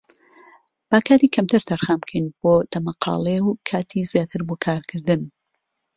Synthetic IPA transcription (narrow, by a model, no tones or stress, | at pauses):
b̥aːkʰaːt̪iːkʰɐmt̪ʰɨɾt̪ʰɐɾxaːmkʰɐjnb̥oːd̪̥ɐmɐqʰɑ̰ːlˠewkʰaːt̪ʰizjaːt̪ʰɨɾboːkʰaːɾkʰɨɾd̪ɨn